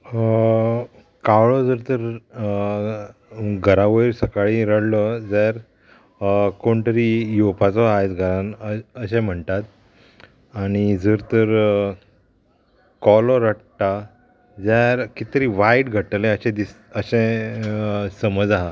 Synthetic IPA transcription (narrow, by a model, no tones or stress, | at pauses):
kaʋɭɔd͡zəɾt̪əɾ | ɡʱəɾaʋəiɾsəkaɭiɾəɽlɔd͡zaɾ | koɳt̪əɾijopat͡sɔajt̪ɡʱəɾanəɕɛ̃m̤əɳt̪at̪ | aɽ̃id͡zəɾt̪əɾ | kɔlɔɾəɽʈ̪a | d͡zjaɾkit̪ɾiːʋajʈɡʱəʈəlɛ̃əɕɛ̃d̪is | əɕɛ̃ | səməd͡zaɦa